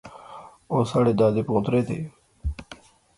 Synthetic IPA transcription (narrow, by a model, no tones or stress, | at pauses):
oːsaːɽeːd̪aːd̪eːpõːt̪ɾeːt̪ḛː